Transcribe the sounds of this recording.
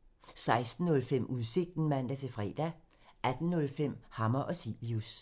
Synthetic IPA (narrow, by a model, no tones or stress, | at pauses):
sɑ̈ɪsd̥n̩ːɔ̽lfem̰uðˠse̝ɡ̥̚d̥n̩mæn̰d̥æt͡sʰe̝fʁɛ̰ːd̥æ | ʔæd̥n̩ːɔ̽lfem̰hɑ̈mɐʔɒ̽sḭlius